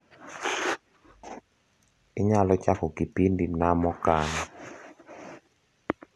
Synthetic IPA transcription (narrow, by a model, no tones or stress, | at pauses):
ɪɲalɔt͡ʃakɔkipindinamɔkana